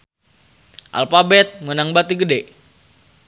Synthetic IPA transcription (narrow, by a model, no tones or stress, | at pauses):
ʔa̰lfabɛt̪̚mənaŋbat̪iɡədɛ